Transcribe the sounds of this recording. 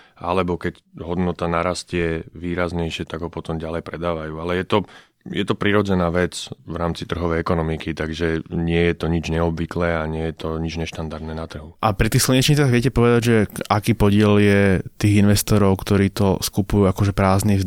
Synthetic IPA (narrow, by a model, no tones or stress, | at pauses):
ʔa̰lɛbɔkɛcɦɔd̪nɔt̪anaɾascɪɛʋiːɾazɲɛjʃɪɛt̪aɡɦɔpɔt̪ɔmɟalɛjpɾɛd̪aːʋajuːalɛjɛt̪ɔ | jɛt̪ɔpɾiɾɔd͡zɛnaːʋɛt͡sʋɾaːmt͡sit̪r̩ɦɔʋɛjɛkɔnɔmikit̪aɡʒɛɲɪɛjɛt̪ɔɲid͡ʒɲɛɔbʋiklɛaɲɪɛjɛt̪ɔɲid͡ʒɲɛʃt̪and̪aɾd̪nɛːnat̪r̩ɦuʔapɾit̪iːxsl̩ɲɛt͡ʃɲiːt͡saɣʋɪɛcɛpɔʋɛd̪aɟʒɛʔakiːpɔɟɪɛljɛt̪iːɣinʋɛst̪ɔɾɔʊkt̪ɔɾiːt̪ɔskupujuːakɔʒɛpɾaːzniz